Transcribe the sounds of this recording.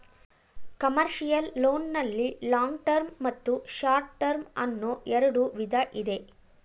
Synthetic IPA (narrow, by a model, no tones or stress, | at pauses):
kɐmɐɾʂijɐlːoːnnɐlːilaːŋɡʈɐɾmːɐt̪ːuʂaːɾʈʈɐɾmɐnːoʔɛɾɐɽuʋid̪ʱɐʔid̪e̞